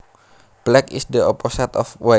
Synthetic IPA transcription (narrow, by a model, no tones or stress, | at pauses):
plɛkisdəɔpɔsat̪ɔfwa